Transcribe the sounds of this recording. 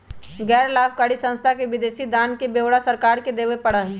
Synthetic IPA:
ɡɛːɾlaːbkaɽisə̃nst̪ʰakeʋɪd̪eːsid̪aːnkebeːʋɽasəɾkaːɾked̪eːʋepəɽəɦɛ

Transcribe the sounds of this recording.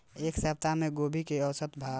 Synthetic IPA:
eksəp̚t̪ameɡobʱikeəwsət̪bʱa

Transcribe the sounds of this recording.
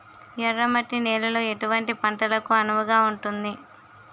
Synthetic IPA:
jɛrːɐmɐʈːinɛːlɐloːe̞ʈuʋɐɳʈipɐɳʈɐlɐkuɐnuʋɐɡaːuɳʈund̪i

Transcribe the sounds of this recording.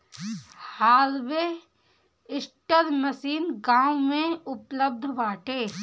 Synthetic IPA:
haːlʋe | ɪsʈəɾməsiːnɡaːwmẽʊpləb̚d̪ʱʋaːʈeː

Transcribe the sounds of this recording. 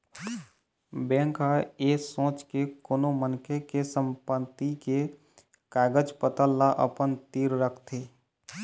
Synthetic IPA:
bɛ̃ːŋkaeːsõːt͡ʃkekoːnomənkʰekesəmpət̪ike | kaːɡəd͡ʒpət̪əlːaʔə̰pənt̪iːɾɾəkʰt̪ʰeː

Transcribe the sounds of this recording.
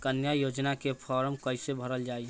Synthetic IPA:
kənjajoːd͡ʒnakepʰɔːɾəmkəɪsebʱəɾəld͡ʒaːi

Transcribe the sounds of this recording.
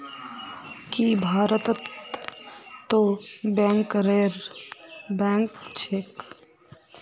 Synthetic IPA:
kibʱaːɾət̪ət̪ | obɛ̃ŋkɾeɾ | bɛŋkt͡ʃʰek

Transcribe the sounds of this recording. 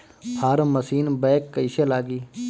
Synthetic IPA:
hʰaːɾməsiːnbeːkːəiːʃelaːɡiː

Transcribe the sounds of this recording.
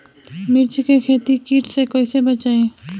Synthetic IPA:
mɪɾt͡ʃkekʰeːt̪ikiːʈʰsekoisebɐt͡ʃaːẽː

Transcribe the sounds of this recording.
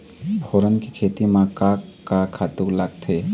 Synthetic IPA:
bʱoɾənkikʰeːt̪imãkakːakʰːaːt̪uləɡ̚t̪ʰe

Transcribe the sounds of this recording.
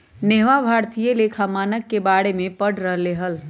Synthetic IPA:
neɦʋabʱaːɾt̪ijelekʰamaːnəkːebaːɽemẽpəɽɾəɦleːɦəl

